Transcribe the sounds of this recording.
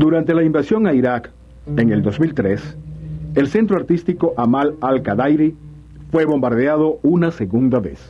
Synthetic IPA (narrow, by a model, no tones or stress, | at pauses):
d̪uɾant̪e̞laimbasjo̞ŋaiɾak | eŋe̞ld̪o̞zmilt̪ɾes | else̞nt̪ɾoaɾt̪ist̪ikoʔamalalkaðajɾi | fwe̞βo̞mbaɾðeað̞o̞unase̞ɣund̪aβḛs